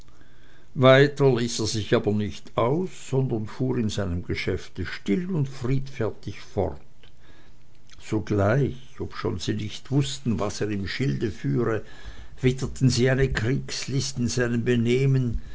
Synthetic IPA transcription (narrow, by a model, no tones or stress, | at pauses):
vaɪtɐliːseːɐzɪçaːbɐnɪçtaʊsːɔndɐnfuːʁɪnzaɪnəmɡ̥əʃɛftəʃtɪlʊntfʁiːtfɛɐtɪçfɔ̰ʁt | z̥oːɡlaɪç | ɔpʃo̰ːnziːnɪçtv̥ʊstn̩vaseːʁɪmʃɪldəfyːʁə | v̥ɪtətn̩ziːaɪnəkʁ̥iːkslɪstɪnz̥aɪnəmbəneːmən